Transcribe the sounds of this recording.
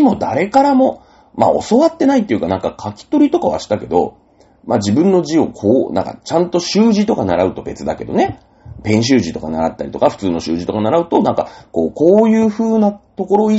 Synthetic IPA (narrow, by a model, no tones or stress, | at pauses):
mo̞d̪aɾe̞kaɾamo̞ | ma̰o̞̰so̞βat̪ːe̞nait̪ːeiɯ̟kanãŋkakʰakʲi̥t̪o̞ɾʲit̪o̞kaβa̰ɕi̥t̪ake̞d̪o̞̰ | mad͡ʑibɯ̟̃nːo̞ʑio̞kʰoːnã̰ŋka̰t͡ɕãnt̪o̞ɕɨːʑit̪o̞kanaɾaɯ̟t̪o̞be̞t͡sɨd̪ake̞d̪o̞̰ne̞ | pẽ̞ɰ̃ɕ̬ɨːʑit̪o̞kanaɾa̰t̪ːaɾʲit̪o̞kaɸɯ̥t͡sɨːno̞ɕɨ̰ːʑit̪o̞kanaɾaɯ̟t̪o̞nãŋkako̞ːko̞ːjɯːɸɯːnat̪o̞ko̞ɾo̞i